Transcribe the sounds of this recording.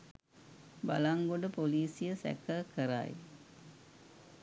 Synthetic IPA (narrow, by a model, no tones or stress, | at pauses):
ba̰laŋɡoɖəpoliːsijəsæ̰kəkəɾa̰j